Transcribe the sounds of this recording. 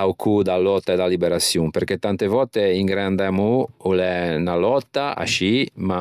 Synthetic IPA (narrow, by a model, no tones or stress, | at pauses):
awkʰud̪alɔt̪ːaed̪alibeɾasjumpeɾket̪ːant̪evɔt̪ːeiŋɡɾɛand̪ɛmuulɛnalɔt̪ːaa̰ʃima